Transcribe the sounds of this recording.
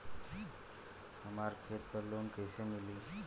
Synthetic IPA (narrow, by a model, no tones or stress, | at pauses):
həmaɾkʰet̪̚pəɾlonkəjsəmili